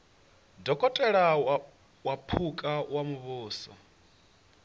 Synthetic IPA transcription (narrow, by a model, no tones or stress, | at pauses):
dɔkʼɔtʼɛɺa | wapʰukʼawamuβuːsɔ̰